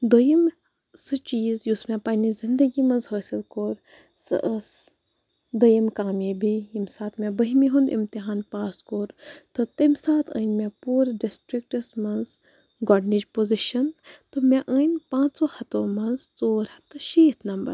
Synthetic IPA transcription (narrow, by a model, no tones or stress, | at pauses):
d̪ojim | sɨt͡ʃiːzjusmɛ̃paːnizind̪ɐɡimɐnzɦəːsilkoːɾ | sɨ̰ʔəs | d̪ojimkaːmibijimsaːt̪mɛ̃bəɦimiɦund̪ḭmt̪iɦaːnpaːskoːɾt̪ɨt̪ɐmsaːt̪ʰə̰ːnʲmɛ̃puːɾɖisʈɾik̚ʈɐsmɐnz | ɡɔɖnid͡ʒpoːziʃɐnt̪ɨmɛ̃ʔəːnʲpãːsoːhɐt̪omɐnzt͡soːɾhɐt̪ːɨʃiːt̪ʰnɐmbɐ̰ɾ